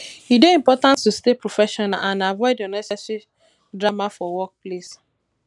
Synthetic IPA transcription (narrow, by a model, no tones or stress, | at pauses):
ideĩmpɔtãnttustepɾofɛʃɔnaʔãnavɔɪdɔnɛsɛsi | dɾamafɔwɔk̚ples